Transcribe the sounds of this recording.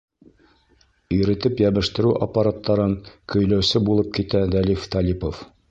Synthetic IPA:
ɵ̆jɾɘ̆t̪ɘpjæbɘ̆ʃt̪ɘ̆ɾʉʔapːaɾat̪ːɑɾɤŋkɵ̆jlæwsɘbulˠɤp̚kit̪æd̪ælift̪ɑlʲipof

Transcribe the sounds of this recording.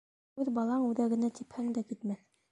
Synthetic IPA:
ʉðbɑlˠɑɴʉðæɡɘ̆næt̪iphæŋd̪ækit̪mæθ

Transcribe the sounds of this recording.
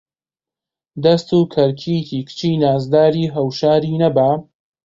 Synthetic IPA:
d̪ɐst̪uːkʰɐɾkʰikiːkʰɨ̥t͡ʃʰiːnaːzd̪aːɾiːɦɐwʃaːɾiːnɐbaː

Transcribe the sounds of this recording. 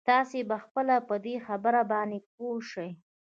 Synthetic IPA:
t̪ɑsebaxpəlapəd̪exabəɾabɑnep̚oʂəj

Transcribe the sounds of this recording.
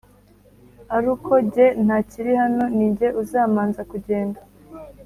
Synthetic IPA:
aɾukʰo̞ɟe̞n̥haciɾihano̞niːɲɟe̞ʔuzaːmaːnzakuɟe̞ːnda

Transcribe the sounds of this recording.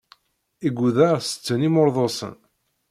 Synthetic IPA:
iɡʷuðæʁsə̥t͡sːənimʊɾðˤosˤə̰n

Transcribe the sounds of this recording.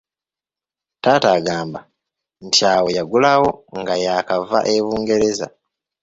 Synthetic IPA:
taːtaɡaːmba | ntʰiawo̞jaɡulawo̞ŋɡajakava̰ʔe̞βuːŋɡe̞ɾe̞za̰

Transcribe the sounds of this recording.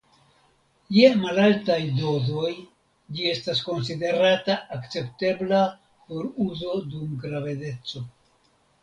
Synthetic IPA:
jemalaltajdo̞zo̞j | d͡ʒie̞stasko̞ns̬ide̞ɾataːkt͡se̞pte̞bla | po̞ɾuzo̞dumɡɾave̞de̞t͡so̞

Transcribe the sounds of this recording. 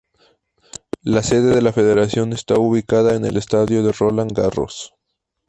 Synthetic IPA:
lase̞ðe̞ðe̞lafe̞ðe̞ɾasjo̞ne̞st̪auβikaðaene̞̰lest̪aðjo̞ðe̞rolaŋɡaro̞̰s

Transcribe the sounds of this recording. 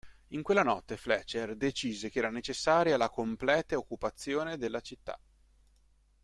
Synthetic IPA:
iŋkwelːanɔt̪ːeflɛt͡ʃːerd̪et͡ʃiːzekeɛːɾanet͡ʃesːaːɾjalakomplɛːt̪aokːupat̪sːjoːned̪elːat͡ʃit̪ːa̰

